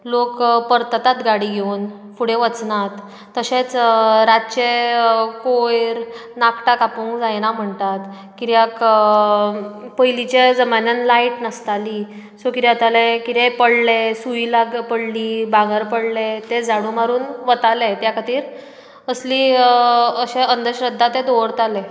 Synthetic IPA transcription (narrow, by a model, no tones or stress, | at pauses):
lokpəɾt̪ət̪at̪ɡaɽiɡʱeun | fuɽeʋət͡snat̪ː | əɕet͡sɾat̪t͡ɕekojɾnakʈakapũŋkd͡zajnam̤əɳt̪at̪ | kiɾjak | pəjlit͡ɕed͡zəmanjənlaiʈnəst̪ali | sokit̪jat̪alekit̪epəɽlesujilaɡpəɽliːbãɡəɾpəɽlet̪ed͡zaɽũmaɾuːnʋət̪alet̪jakat̪iːɾ | əsliː | əɕeʔənd̪əɕɾəd̪ʱːat̪ed̪oʋɽt̪ale